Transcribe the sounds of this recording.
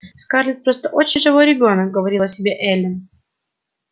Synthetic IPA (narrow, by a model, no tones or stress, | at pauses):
skarlʲɪt̪̚pɾo̞st̪əʔo̞t͡ɕɪnʲʐɨvo̞jɾʲɪbʲo̞nək̚ɡəvɐɾʲilˠɐsʲɪbʲeʔɛlʲɪn